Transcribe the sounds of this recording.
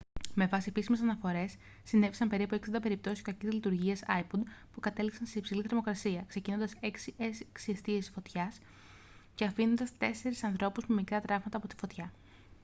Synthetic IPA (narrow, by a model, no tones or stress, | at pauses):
me̞vɐsiepisime̞s̬ɐnɐfo̞ɾe̞sː | ine̞fisɐmpe̞ɾipueksind̪ɐpe̞ɾip̚t̪o̞sisokɐcizlit̪uɾʝiɐsɐ̰jpod̪pukɐt̪e̞liksɐnseipsiliθeɾmo̞kɾɐsiɐkse̞cino̞nd̪ɐse̞ksieksie̞st̪iesfo̞t̪çɐs | ce̞ɐfino̞nd̪ɐst̪e̞se̞ɾisɐnθɾo̞puzme̞mikɾɐt̪ɾɐvmɐt̪ɐːpo̞t̪i̥fo̞t̪çɐ